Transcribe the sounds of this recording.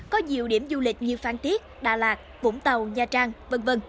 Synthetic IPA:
kɔ˨˦ɲi˨˩əwɗi˧˩əmzu˧lï˨˩k̟̚ɲɨ˧faː˧nt̪i˦˥ət̚ɗa̰ː˧˩laː˨˩t̚vṵ˧˥˦ŋ͡mt̪ə˨˩wɲaː˨˩t͡ɕaː˧ŋvə˧nvə˧n

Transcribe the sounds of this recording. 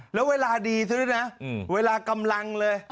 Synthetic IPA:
le˨˦wvəː˨˦laː˧˩ɗi˨˩t̪ʰɨ˨˦na˨˧˦və˨˦laː˧˩kə˨˩mla˧˩ŋləː˧˩

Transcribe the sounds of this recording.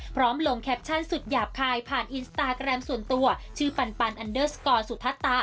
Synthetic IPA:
pʰɾɔː˦˥mlo˧ŋkʰɛ˦˥p̚t͡ɕʰa˥˩nsu˨˩t̪̚jaː˨˩p̚kʰaː˧jpʰaː˨˩nʔiː˧nst̪aː˧kɾɛ˧msu˨˩ənt̪u˧ɐt͡ɕʰɯː˥˩pa˧npa˧nʔa˧ndɤː˥˩skɔː˧nsu˨˩t̪ʰa˦˥t̪ːa˦˥

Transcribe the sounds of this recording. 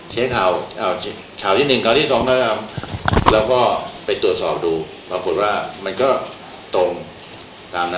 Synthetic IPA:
t͡ɕʰi˦˥ɐkʰaː˨˩wʔa˧˩t͡ɕʰ | kʰaː˨˩wt̪ʰiː˥˩nɯ˨˩ŋkʰaː˨˩t̪ʰiː˥˩sɔː˩˦ŋkʰaː˦˥˩kʰa˧mlɛː˦˥wkɔː˥˩pa˧jt̪u˨˩ət̪̚sɔː˨˩p̚duː˧ | pɾaː˧ku˨˩t̪̚waː˥˩ma˧nkɔː˥˩ | t̪o˧m | t̪aː˧mna˦˥

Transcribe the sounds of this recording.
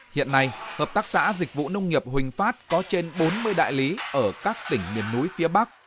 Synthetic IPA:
hḭ˧˨ənːa˧jhəː˨˩p̚t̪aː˦˥k̚sa̰ː˧˥zï˨˩k̟̚vṵ˧˨nə˧wŋ͡mŋi˨˩əp̚hwï˨˩ŋ̟faː˦˥t̚kɔ˨˦t͡ɕe˧nɓo˨˦nmɨ˧əjɗa̰ː˧˨jli˨˦ʔəː˧˩kaː˦˥k̚t̪ï˧˩ŋ̟mi˨˩əmnu˨˦jfi˨˦əɓa˦˥k̚

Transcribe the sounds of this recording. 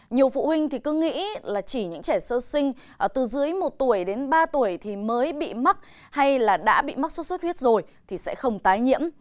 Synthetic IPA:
ɲi˨˩əwfṵ˧˨hwï˧ŋ̟t̪ʰi˨˩kɨ˨˦ŋḭ˧˥laː˨˩t͡ɕi˧˩ɲɨ̰˧˥ŋt͡ɕɛ˧˩səː˧sï˧ŋ̟˨˩ | t̪ɨ˨˩zɨ˨˦ə˦jmo˨˩t̚t̪u˧˩əjɗe˨˦nɓaː˧t̪u˧˩əjt̪ʰi˨˩məː˨˦jɓḭ˧˨ma˦˥k̚ | ha˧jlaː˨˩ɗa̰ː˧˥ɓḭ˧˨ma˦˥so˦˥t̚sə˦˥t̚hwi˦˥ət̚zo˨˩jt̪ʰi˨˩sɛ̰˧˥xə˧wŋ͡mt̪aː˨˦jɲḭ˧˥əm

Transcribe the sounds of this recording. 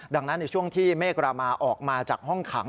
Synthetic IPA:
da˧ŋna˦˥nːa˧jt͡ɕʰu˥˩əŋt̪ʰiː˥˩meː˥˩kɾaː˧maː˧ʔɔː˨˩k̚maː˧t͡ɕaː˨˩k̚hɔ˥˩ŋkʰa˩˦ŋ

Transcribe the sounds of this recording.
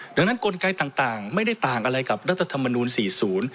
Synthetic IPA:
da˧ŋna˦˥nko˧nka˧jt̪aː˨˩ŋt̪aː˨˩ŋma˥˩jda˥˩jt̪aː˨˩ŋʔa˧ɾa˧jka˨˩p̚ɾa˦˥t̪ʰːa˧t̪ʰa˧mːa˧nuː˧nsiː˨˩˦suː˩˦n

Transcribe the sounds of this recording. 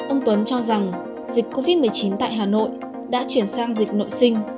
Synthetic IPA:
ʔə˧wŋ͡mt̪wə˨˦nt͡ɕɔ˧za˨˩ŋ | zi˨˩k̟̚kːo˧vi˦˥mɨ˨˩əjt͡ɕi˨˦nt̪a̰ː˧˨jɦaː˨˩no̰˧˨j | ɗa̰ː˧˥t͡ɕwi˧˩ənsaː˧ŋzï˨˩k̚no̰˧˨jsï˧ŋ̟

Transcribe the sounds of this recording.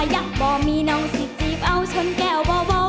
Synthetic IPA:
ja˨˩k̚bɔː˧˩miː˧˥nɔː˧˥ŋsi˨˦t͡ɕiː˨˦p̚ʔa˧˩wt͡ɕʰo˧˥nkɛː˧˩wbɔː˧bɔː˧

